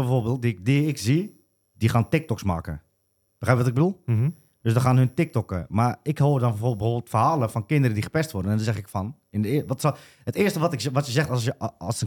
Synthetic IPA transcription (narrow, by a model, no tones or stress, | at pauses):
bɛfoːrbeːlˠt̚diɪk̚diɪkzi | dixaːntɪk̚tɔksma̰ːkə̰ | b̥əxrɛjpʋɔtɪɡ̚bədulˠ | d̥øs̬dɔxaːnɦøntɪk̚tɔkə̰marɪkhoːrdɔnbɛfobəfoːbɪːlˠtfərɦaːləfɔnkɪndəɾədixə̥pɛstʋʊrdənɛndɔnzɛxɪkfɔn | ɪnəɪʋɔts | ɦətɪːəstəʋɔtɪkʋɔtjəzɛxtsəsə